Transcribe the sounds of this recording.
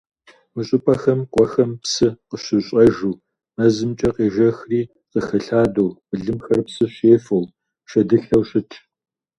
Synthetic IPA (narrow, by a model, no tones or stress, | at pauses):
mɨɕʼʊpʼɐxɐmqʷʼɔxɐmpsɨqəɕɪɕʼɐʒuː | mɐzɨmt͡ʃʼɐqeːʒɐxriː | qəxɐɬaːdowbɨɮɨmxɐrpsɨɕeːfɐw | ʃɐdɨɬɐwɕʼɪtʰ